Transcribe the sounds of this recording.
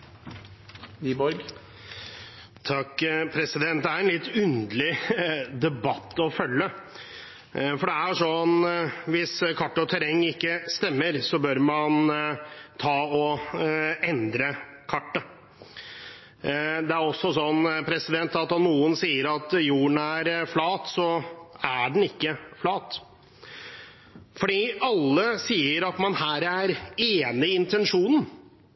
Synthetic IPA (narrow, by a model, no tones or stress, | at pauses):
ʋiːbɔɾɡ | t̪ʰɑkːpʰɾɛsɪd̪ɛnt̪̚d̪ɛæɾɛnlɪt̪ːʉnd̪lɪd̪ɛbɑt̪ːɔfœlːə | fɔɖɛæʂɔnʋɪskʰɑʈːɔt̪ʰɛɾɛŋːɪkːəst̪ɛmːəɾsɔbøɾmɑn | t̪ʰɑːɔ | ɛnd̪ɾə | kʰɑʈːə | d̪ɛæɾɔsːɔsɔnpʰɾɛsɪd̪ɛnt̪ɑt̪ɔnuːənsiːəɾɑt̪juːəɳæɾflɑːt̪sɔæɖɳn̩ɪkːəflɑːt̪ | fɔɖiːɑlːəsiːəɾɑt̪mɑnhæːɾæɾeːnɪɪnt̪ʰɛnʂuːnn̩